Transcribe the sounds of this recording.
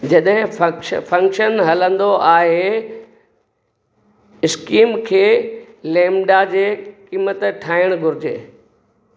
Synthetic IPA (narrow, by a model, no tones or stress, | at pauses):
d͡ʑɐɗɦɪ̃fɐkʃpʰɐ̃ŋkʃənɦɐlə̃nd̪oʔaːɦe | ɪskiːmkʰeː | lẽːmɖad͡ʑeːkiːmət̪ʈʰaːɪəɽ̃ɡʱʊɾɪd͡ʑḛː